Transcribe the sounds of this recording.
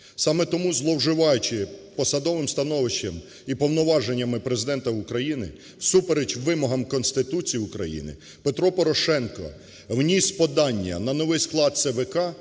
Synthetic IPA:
sɑmɛt̪ɔmuzlˠɔwʒɪʋɑjʊt͡ʃɪpɔsɐd̪ɔʋɪmst̪ɐnɔʋɪʃt͡ʃʲːɐm | ipɔwnɔʋɑʒenʲːɐmɪpɾezɪd̪ɛnt̪ɐʊkɾɐjinɪ̰ | wsupeɾet͡ʃʋɪmɔɦɐmkɔnst̪ɪt̪ut͡sʲijiʊkɾɐ̰jḭnɪ̰ | pet̪ɾɔpɔɾɔʃɛnkɔ̰ | wnʲispɔd̪ɑnʲːɐ̰nɐnɔʋɪjsklˠɑd̪̚sɛʋɛkɑ

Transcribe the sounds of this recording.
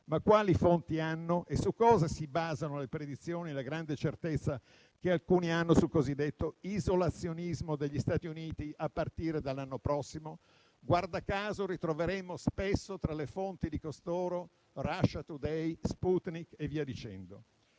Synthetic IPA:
makːwaːlifont̪ianːoʔesukːɔːzasibaːzanolepɾed̪it̪sːjoːnielaɡɾand̪et͡ʃert̪et̪sːa | kealkuːnianːosukozid̪ːet̪ːoizolat̪sːjonizmod̪eʎːist̪aːt̪iuniːt̪iapːart̪iːɾed̪alːanːopɾɔsːimo | ɡward̪akaːzoɾit̪ɾoveɾemospesːot̪ɾalefont̪id̪ikost̪oːɾo | raʃːat̪ud̪ɛjsput̪nikevːiːad̪it͡ʃɛnd̪o

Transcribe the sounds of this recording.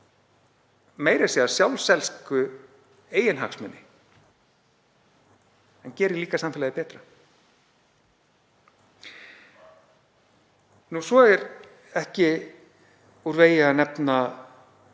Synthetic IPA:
meːjɾasiːðḁsjawlsɛlskʏ | eːjɪnɦaksmɛnːɪ | ɛncɛːɾɪliːkasamfɪlaðɪpɛːt̪ɾa | nusvɔɛɾ | ɛhcɪ | uɾveːjɪanɛpna

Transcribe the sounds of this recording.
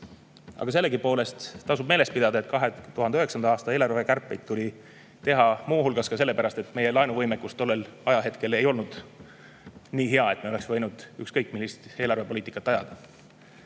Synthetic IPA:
ɑ̰ɡ̥ɑse̞lːe̞kipo̞ːle̞st̪t̪ɑsub̥̚me̞ːle̞st̪pid̪̥ɑd̪ɑe̞t̪kɑɦe̞t̪uhɑnd̪eøeksɑnɑɑːst̪ɑe̞ːlɑrve̞kærpːˑe̞jd̪̥̚t̪ːulʲi | t̪e̞ɦɑmuːɦulɡ̥ɑskɑse̞lːe̞pæɾɑst̪e̞t̪ːˑme̞je̞lɑjnuvɤjmekːust̪o̞lːe̞lɑjɑɦe̞t̪ke̞le̞jo̞lnud̪̥ | niːɦe̞ɑe̞t̪meoe̞ksvɤjnud̪̥ykskɤjk̚ˑmilːist̪e̞ːlɑrve̞po̞liːt̪ikːˑɑt̪ːˑɑjɑ̰d̪̥ɑ

